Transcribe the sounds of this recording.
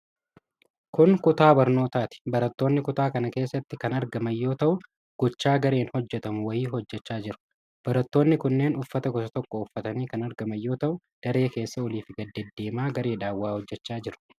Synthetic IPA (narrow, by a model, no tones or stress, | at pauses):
kʊŋkʊt̪aːbɐɾno̞ːt̪aːt̪ɪ̥bɐɾɐt̪ːo̞ːnːɪkʊt̪aːkɐnɐke̞ːsːɐt̪ːɪkɐnɐɾɡɐmɐjːo̞ːt̪ɐʔʊ | ɡ̥ɔt͡ʃːaːɡɐɾe̞ːnhɔd͡ʒːɛt̪ɐmʊwɐjiːɦɔd͡ʒːɛt͡ʃːaːd͡ʒɪɾʊ̥ | b̥ɐɾɐt̪ːoːnːɪkʊnːe̞ːnʊfːɐt̪ɐɡɔsɐt̪ɔkːɔʊfːɐt̪ɐniːkɐnɐɾɡɐmɐjːo̞ːt̪ɐʔʊ | d̪̥ɐɾeːke̞ːsːɐɔliːfɪɡɐd̪ːɛd̪ːe̞ːmaːɡɐɾe̞ːᶑaːwːaːhɔd͡ʒːɛt͡ʃːaːd͡ʒɪɾʊ̥